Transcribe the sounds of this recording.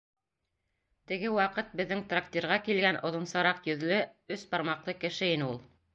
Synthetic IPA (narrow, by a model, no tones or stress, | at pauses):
t̪ɘ̆ɡɘwɑqɤt̪̚bɘ̆ðːɘŋt̪rakt̪ʲiɾʁɑkilɡænʔŏðŏnsɑɾɑqjɵ̆ðlɘɵsbɑɾmɑqlˠɤkɘ̆ʃɘinɘulˠ